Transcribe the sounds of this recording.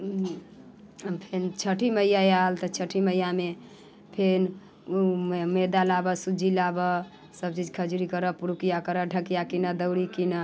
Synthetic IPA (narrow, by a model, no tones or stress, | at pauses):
pʰent͡ʃʰəʈʰiməjajalt̪ət͡ʃʰəʈʰiməjame | pʰen | med̪alabəsud͡ʒʱilabə | səb̚t͡ʃid͡ʒkʰəd͡ʒuɾikəɾəpuɾukijakəɾəɖʱəkijakinəd̪əwɽikinə